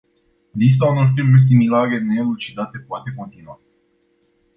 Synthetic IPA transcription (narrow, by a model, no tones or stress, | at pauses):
d̪is̬t̪aunorpɾimes̬imilaɾe̞nelut͡ʃid̪at̪e̞poat̪e̞ko̞nt̪inua